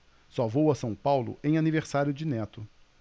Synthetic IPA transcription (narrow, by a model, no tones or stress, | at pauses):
sɔvowɐsɐ̃w̃pawlʊ̰ʔẽj̃aniveɾsaɾjʊd͡ʒɪnɛt̪ʊ